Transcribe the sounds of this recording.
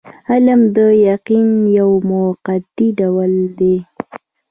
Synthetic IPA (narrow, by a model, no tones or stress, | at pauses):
alamd̪əjaqinjawmʊqad̪iɖawəld̪e